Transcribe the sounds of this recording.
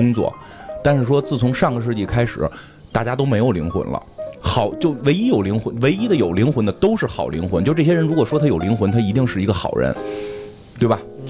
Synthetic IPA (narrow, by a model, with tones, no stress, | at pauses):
ʊ˥ŋt͡swɔ̰˥˩t̪a˥˧nʂɻ̩˥˩ʂ̬wɔ˥t͡sɹ̩˥˩t͡sʰʊ˧˥ŋʂɑ˥˩ŋɡə˩ʂ̬ɻ̩˥˧t͡ɕi˥˩kʰa˥ɪʂɻ̩˨˩˦ | t̪a˥˩t͡ɕja˥t̪o˥ʊme˧˥ɪjo˨˩ʊlḭ˧˥ŋxwə̰˧˥nlə̰˧xɑ˨˩ʊt͡ɕjo˥˩ʊwe˧˥ɪi˥jo˨˩ʊli˧˥ŋxwə˧˥nwe˧˥ɪi˥d̪ə˨jo˨˩ʊli˧˥ŋxʊ˧˥nd̪ə˧t̪o˥ʊʂɻ̩˥˩xɑ˨˩ʊli˧˥ŋxwə˧˥nt͡ɕjo˥˧˥ʈ͡ʂɤ˥˩ɕjɛ˥ɻə˧˥nɻu˧˥kwɔ˨˩ʂwɔ˥t̪ʰa˥jo˨˩ʊli˧˥ŋxwə˧˥nt̪ʰa˥i˧˥i˥˧ŋʂɻ̩˥˩i˧˥ɡə˧xɑ˨˩ʊɻə̰˧˥n | t̪we˥˩ɪbɐ˩